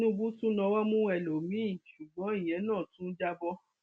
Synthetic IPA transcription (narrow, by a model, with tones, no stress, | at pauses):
ũ˦bũ˦tu˦nɔ̃˧wɔ˦mũ˦ɛ˨lo˨mĩ˨˦˨ʃu˨ɡ͡bɔ̃˨˦i˦˨j̃ɛ̃˨˦nãː˦˨tũ˦d͡ʒa˦bɔ˦